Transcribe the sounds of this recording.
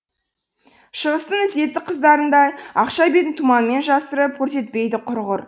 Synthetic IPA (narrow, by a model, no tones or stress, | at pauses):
ʃəʁəst̪ənɪzd̪e̞t̪ːɪqʰəzd̪ɑɾənd̪ɑjɑqʃɑjbet̪ɪnt̪ʰumɑnme̞nʒɑsəɾəp̚kʲʰɵɾse̞t̪̚pe̞jd̪ɪqʰʊɾʁʊɾ